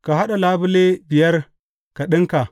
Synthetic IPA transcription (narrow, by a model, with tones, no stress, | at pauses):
ka˨ɦa˦ɗa˨laː˦bu˦le˦bi˨jɐ˦ɾ | ka˨ɗɨ˦ŋka˨